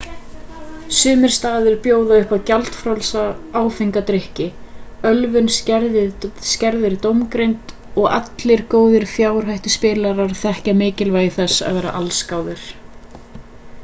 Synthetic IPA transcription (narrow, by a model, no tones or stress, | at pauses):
sʏːmɪɾ̥st̪aːðʏɾpjoːwðaʏhpaðcalt̪fɾawlsaaːwfiŋkat̪ɾɪhcɪœlvʏnscɛɾðɪscɛɾðɪɾt̪owmkɾejnt̪ | ɔɣa̰t̪lɪɾ̥koːwðɪɾ̥fjaːwɾ̥ɦajht̪ʏ̥spɪːlaɾaɾ̥θɛhcamɪːcɪlvaːjðɪθɛsːa̰ðvɛːɾa̰ʔalskaːwðʏɾ̥